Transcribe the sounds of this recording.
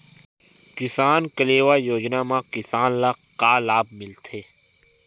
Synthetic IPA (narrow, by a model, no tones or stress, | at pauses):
kɪsaːnkəleːʋaːjoːd͡ʒnamãkɪsaːnlaːqaːlaːb̚mɪlt̪ʰeː